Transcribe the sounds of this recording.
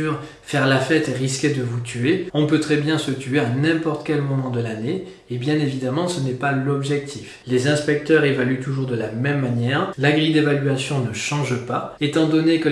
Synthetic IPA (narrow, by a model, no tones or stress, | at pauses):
yʁ | fɛʁlafɛt̪eʁiskʲed̪əvut̪ʰyeɔ̃pøt̪χɛbjɛ̃sət̪yeanɛ̃pɔʁt̪ə̥kʲɛlmɔmɑ̃d̪əlane | ebjɛ̃nevid̪amɑ̃sənɛpalɔbʒɛk̚t̪ʰif | lezɛ̃spɛk̚t̪œʁevalyt̪uʒuʁd̪əlamɛmːanjɛʁlaɡʁid̪evalyasjɔ̃nəʃɑ̃ʒpaet̪ɑ̃d̪ɔnekə